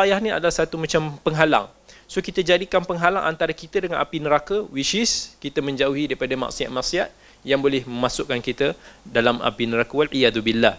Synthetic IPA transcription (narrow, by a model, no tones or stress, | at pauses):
ajahnĩa̰dalahsat̪umat͡ʃampəŋɦala̰ŋ | sokit̪əd͡ʒadikanpəŋɦalaŋʔa̰nt̪aɾakit̪ədəŋanapinəɾakawiʃɪskit̪amə̃ɲd͡ʒauɦidaipadama̰ʔsiat̪̚maʔsiat̪̚ | jaŋbolɛhməmasʊʔkːankit̪adalama̰pinəɾakawalʕijad̪ubilːah